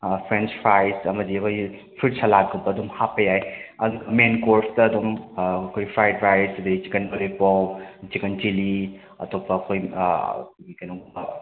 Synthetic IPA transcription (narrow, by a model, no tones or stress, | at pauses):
pʰɾent͡ʃpʰɾajsɐmɐdiɐkʰoj | pʰit̚salaɡɐbɐːdumhapɐjajɐduɡɐmenkoɾstɐːdumɐkʰojpʰɾajdɾajsɐdit͡ʃikɐnbɐlipawt͡ʃikɐnt͡ʃili | ɐ̰topɐːkʰojkʰɡikajno